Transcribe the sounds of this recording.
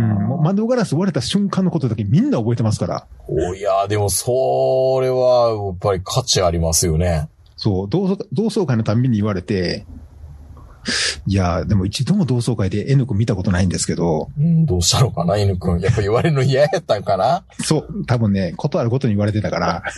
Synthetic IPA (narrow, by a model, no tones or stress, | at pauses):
ɯ̟̃momãnd̪oɡaɾasɨβaɾe̞t̪aɕɨ̃ŋkãnːo̞kot̪od̪akemʲĩnːaobo̞e̞t̪emasɨ̥kaɾa̰ojad̪e̞mosoɾe̞βajapːaɾʲikʰat͡ɕiaɾʲimasɨjo̞ne̞ | so̞ːd̪oːsod̪oːso̞ːkainot̪ãmbʲiɲ̟ːiːβaɾe̞t̪e̞ | iad̪e̞mo̞it͡ɕid̪o̞mo̞d̪o̞ːso̞ːkaid̪e̞ʔenɯ̟kɯ̟̃mʲːit̪ako̞t̪o̞naĩnd̪e̞sɨ̥ke̞d̪o̞ɯ̃d̪oːɕi̥t̪anokanaenɯ̟kɯ̃japːaiβaɾeɾɯnoijajat̪ːãŋkana | so̞ːt̪abɯ̟̃nːe̞kʰo̞t̪o̞aɾɯ̟ko̞t̪o̞ɲ̟iːβaɾe̞t̪̬e̞t̪akaɾa